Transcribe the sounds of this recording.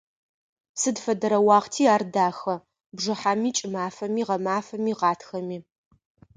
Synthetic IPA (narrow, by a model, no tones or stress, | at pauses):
sɨdfɐdɐɾɐwɑːʁtʰiːaːrdaːxɐ | bʐɨħaːmiːt͡ʃʼɪmaːfɐmiːʁɐmaːfɐmiːʁɑːtxɐmiː